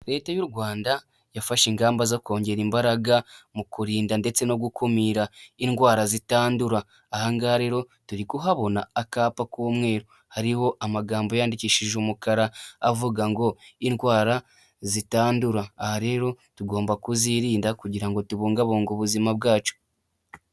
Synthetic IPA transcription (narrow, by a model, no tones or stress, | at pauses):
ɾe̞ːtejuɾɡwaːnda | jafaʃiŋɡaːmbazako̞ːɲɟe̞ɾimbaɾaɡamukuɾiːndande̞t͡se̞no̞ɡukomiːɾainɡwaːɾazitaːnduɾaː | haŋɡaɾe̞ːɾo̞ | tuɾikuɦaβo̞naːkaːpakoːmwe̞ːɾo | haɾiho̞ʔamaɡaːmbo̞jaːndiciːʃiʒumukaɾaːvuɡaŋɡo̞inwaːɾa | zitaːnduɾaːhaɾe̞ːɾo̞ | tuɡo̞ːmbakuziɾiːndakuɟiɾaŋɡo̞tuβoːŋɡaβoːŋɡuβuzimabɡaːt͡ʃo̥